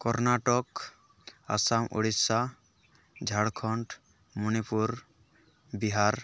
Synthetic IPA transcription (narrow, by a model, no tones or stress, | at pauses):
kɔɾnaʈɔk | a̰samo̰ɽisa | d͡ʒʱaɽkʰɔɳʈ | munipuɾ | biɦaɾ